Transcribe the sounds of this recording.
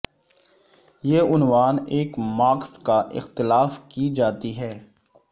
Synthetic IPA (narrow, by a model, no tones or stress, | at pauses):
jeːʊnʋaːneːkmaːkskaʔɪ̰xt̪ɪlaːfkid͡ʒaːt̪iɦɛː